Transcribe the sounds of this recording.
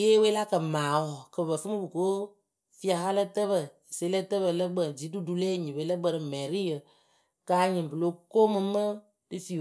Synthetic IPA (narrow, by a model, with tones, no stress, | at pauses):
je˦we˦la˦kə˨maː˨˦wɔ˨kə˨bə˨fɨ˦mɨ˦bɨ˨ko˦ | fi˦a˧ha˦lə˦tə˦βə˨se˨˦lə˦tə˦bə˨lə˦ɡ͡bə˨d͡ʒi˨˦du˦du˨˧le˦ɲĩ˨bə˨˦lə˦ɡ͡bə˧˨ɾɨ˨mɛ˨ɾi˦jə˨ | kaː˧˦ɲɨ˨bɨ˨lo˨˦ko˦mɨ˧mə˦ | dɨ˦fi˨